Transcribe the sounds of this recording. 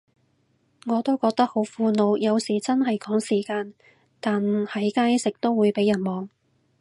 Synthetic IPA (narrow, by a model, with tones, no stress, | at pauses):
ŋɔː˨˧t̪o˥wkɔː˧k̚t̪ɐ˥k̚ho˨˥wfuː˧no˨˧wjɐ˨˧wsiː˨˩t͡sɐ˥nɦɐ˨jkɔː˨˥ŋsiː˨˩kaː˧n | t̪aː˨nhɐ˨˥jkaː˥jsɪ˨k̚t̪o˥wːuː˨˧jpe˨˥jːɐ˨˩nmɔː˨ŋ